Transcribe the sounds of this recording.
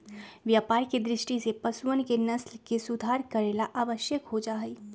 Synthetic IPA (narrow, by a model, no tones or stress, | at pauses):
ʋjaːpaːɾked̪ɾɪʃʈisepɐsuənkenɐslkesʊd̪ʱaːɾkɐɾeːlaʔaːʋəʃjəkɦod͡ʒaːɦiː